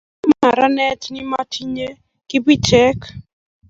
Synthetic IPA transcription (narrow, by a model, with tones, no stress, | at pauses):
ma˦˨ɾa˦nɛ˦tni˦ma˦tʰi˦ɲe˦ | ki˦bi˦t͡ʃɛ˦k